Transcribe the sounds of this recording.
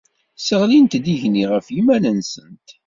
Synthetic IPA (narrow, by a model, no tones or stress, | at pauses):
səʁlint̪d̪iʝniʁəfimænənsənt̪